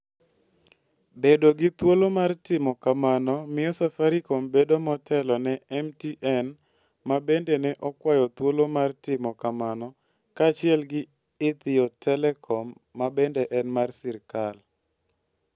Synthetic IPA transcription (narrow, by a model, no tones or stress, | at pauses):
bedoɡɪt̪wolomartɪmɔkamanɔmɪjɔsafaɾikɔmbedomɔtɛlɔnɛɛmtiʔɛn | mabendɛnɛʔɔkwajɔt̪wolomartɪmɔkamanɔ | kaːt͡ʃɪɛlɡɪ | ɪt̪ɪjɔtɛlɛkʰɔmːabɛndɛʔɛnmarsɪɾkal